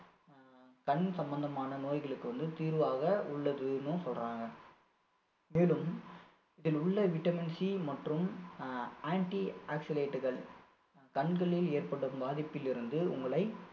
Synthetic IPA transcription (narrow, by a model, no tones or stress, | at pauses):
kɐɳsɐmbɐnd̪ɐmaːnɐnoːjɣɐɭɯkːɯʋɐnd̪ɯt̪iːɾɯʋaːɣɐʊɭːɐðɯnɯsɔlraːŋɡɐ | meːlɯm | ɪðɪlʊɭːɐʋɪʈːɐmɪnsimɐʈrɯm | aːɳʈiaːksɪleːʈːɯɣɐɭ | kɐɳkɐɭɪleːrpɐɽɯmbaːðɪpːɪlɪɾɯnd̪ɯʊ̰ŋɡɐɭɐɪ